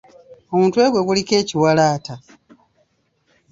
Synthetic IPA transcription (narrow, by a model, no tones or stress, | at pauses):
o̞muːntue̞ːβwe̞ɡulike̞ːciwalaːta